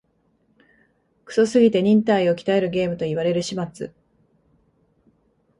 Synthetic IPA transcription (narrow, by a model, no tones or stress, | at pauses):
kɯ̥so̞sɨɡʲit̪e̞ɲ̟ĩnt̪aio̞kʲi̥t̪ae̞ɾɯ̟ɡe̞ːmɯ̟t̪o̞iβ̞aɾe̞ɾɯ̟ɕimat͡sɨ̰